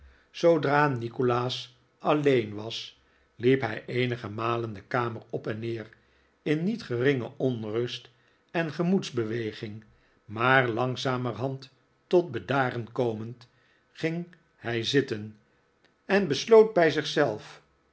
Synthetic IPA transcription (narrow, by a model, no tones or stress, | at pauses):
sowdraːnikolaːs | ɑlejnʋɑs | lipɦɛjʔejnəχəmaːləndəkaːməɹɔpɛnːɪːɹ | ɪnːitχərɪŋə̰ʔɔnrɵst | ɛnχəmutzbəʋejχɪŋ | maːɹlɑŋzaːməɹɦɑntː | ɔd̚bədaːɾənkowmənt | χɪŋ | hɛjzɪtən | ɛnbəslowd̚bɛjzɪχsɛlˠf